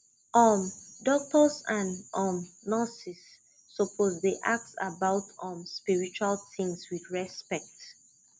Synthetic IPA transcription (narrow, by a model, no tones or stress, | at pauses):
ɔmdɔk̚tɔsãnɔmnasisː | ɔpʰozdeʔak̚tsa̰baʊtɔ̃mspiɹit͡ʃualθĩŋswidɹɛspɛk̚t